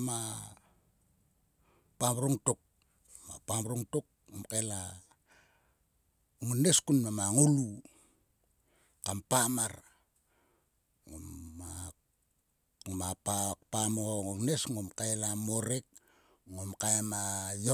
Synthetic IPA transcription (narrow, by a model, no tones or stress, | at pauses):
ma | pamɾuŋtok̚ | ma̰pamɾuŋtok̚ | ŋomkaela | uŋuneskunmamaŋulu | kampamaɾ | ŋo̰mːa | mapapamoŋonesŋomkaelamoɾek̚ | ŋomkaemajo